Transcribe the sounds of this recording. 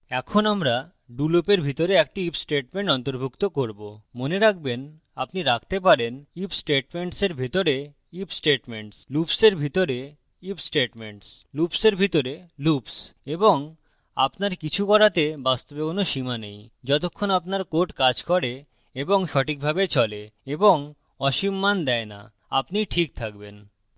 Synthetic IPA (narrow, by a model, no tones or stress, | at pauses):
ɛkʰonamɾa | ɖulopeɾbʱit̪oɾeɛk̚ʈiipsʈeʈmeɳʈɔnt̪oɾbʱukt̪okoɾbomoneɾak̚ʰben | apniɾak̚ʰt̪ep̬aɾenipsʈeʈmeɳʈseɾbʱit̪oɾe | ipsʈeʈmeɳʈslupseɾbʱit̪oɾe | ipsʈeʈmeɳʈs | lupseɾbʱit̪oɾelupseboŋ | a̰pnaɾkit͡ɕʰukɔɾat̪ebast̪obekonoʃimanejd͡ʑɔt̪okʰːonapnaɾkoʈkad͡ʑkɔɾe | eboŋʃɔʈik̚bʱabet͡ɕɔleeboŋ | ɔʃimːand̪ɛena̰ | apniʈʰik̚t̪ʰak̚ben